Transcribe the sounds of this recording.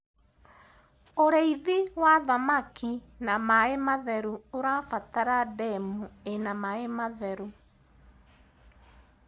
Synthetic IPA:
oɾeiðiwaðamaki | namaemaðɛɾuoɾafataɾadɛmuenamaemaðɛɾu

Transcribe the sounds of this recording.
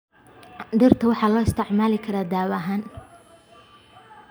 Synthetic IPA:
d̪ɪrt̪ʰɐwɑħɑːlɔːɪst̪ʰɪʕmaːlɪkʰɐɾaːd̪aːβɐɦaːn

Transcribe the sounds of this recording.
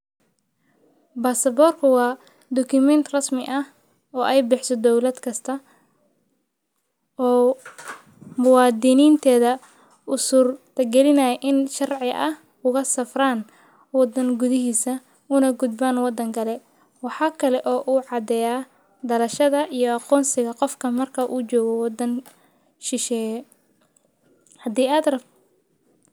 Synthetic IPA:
baːsɐbɔːrkʰʊwɑː | d̪ɔkʰʊmɛnt̪ʰrɐsmɪʔɐh | ɔːʔɛjbɪħsɔd̪ɔwlɐd̪kʰɐst̪ʰɐ | ɔː | mʊwɑːd̪ɪniːnt̪ʰɛːðɐ | ʔʊsuːrt̪ʰɐɡɛlɪnɐjɛjʔɪnʃɐrʕɪʔɐh | ʊɣɐsɐfraːn | wɑd̪ɐŋɡʊðɪɦiːsɐ | ʊnɐɡʊd̪baːnwɑd̪ːɐŋɡɐlɛ | wɑħɑːkʰɐlɛʔɔːʔuːʕɑd̪ɛjaː | d̪ɐlɐʃɐðɐʔijɔɑqɔːnsɪɣɐqɔfkʰɐmɐrkʰɐʔuːt͡ʃɔːɣɔwɑd̪ɐn | ʃɪʃɛːjɛ | hɐd̪iːaːd̪rɐ

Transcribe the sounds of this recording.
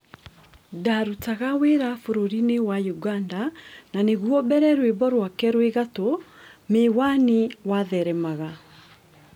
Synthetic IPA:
daɾutaɣaweɾafoɾoɾinewajuɡandananeɣwɔbɛɾɛɾwebɔɾwakɛɾweɣatomewaniwaðɛɾɛmaɣa

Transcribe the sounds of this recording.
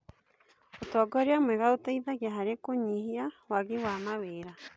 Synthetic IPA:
otɔɡɔɾjamweɣaotaiðaɣjaɦaɾekoɲihiawaɣiwamaweːɾa

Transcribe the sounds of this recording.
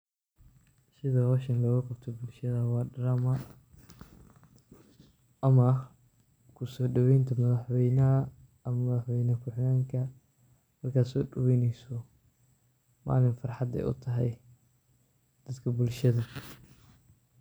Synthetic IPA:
sɪðɐhɔːʃɐnlɔːɣɐkʰɔbt̪ʰɔbʊlʃɐðɐwɑːɖɐɾamɐ | ɐmɐ | kʰʊsɔːɖɔwɛjnt̪ʰɐmɐðɐħwɛjnɐɐ | ɐmɐmɐðɐħwɛjnɐkʰʊħnaːŋkʰɐ | mɐrkʰaːd̪sɔːɖɐwɛjnɛjsɔ | ma̰ːlɪnfɑrħɑd̪ɛ̰jʔʊ̰t̪ʰɐɦɛj | d̪̥ɐd̪kʰɐbʊlʃɐðɐ

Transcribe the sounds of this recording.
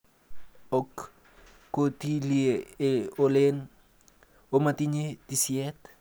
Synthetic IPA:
okː | ot̪ilieeolen | omat̪iɲed̪isiɛt̪

